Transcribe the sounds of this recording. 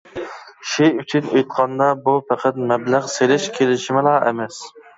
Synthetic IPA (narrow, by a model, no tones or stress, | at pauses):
ʃɪyt͡ʃʰynøjt̪̚qʰɑnd̪ɑbupʰæqʰæt̪̚mɛblæʁselɪʃkʲʰelɪʃɪmɪlˠɑːḛmɛs